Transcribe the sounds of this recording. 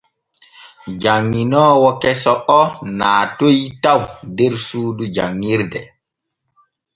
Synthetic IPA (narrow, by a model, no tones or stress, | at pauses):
d͡ʒaŋːinɔːwɔkɛsɔʔɔnaːtojtawdeɾsuːdud͡ʒa̰ŋːiɾdɛ